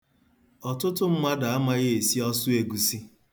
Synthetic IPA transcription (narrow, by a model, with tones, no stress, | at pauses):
ɔ˨tʊ˦tʊ˦m̩˦ma˦da˨a˦ma˦ɣe˦e˨si˦ɔ˦sʊ˦e˨ɡu˨si˦